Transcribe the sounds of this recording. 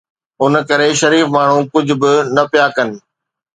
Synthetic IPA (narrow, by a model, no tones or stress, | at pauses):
ʊnkɐɾeʃɐɾiːfmaːɳ̤ũkʊd͡ʑʱʊ̆bɪnɐpijakɐnɪ̆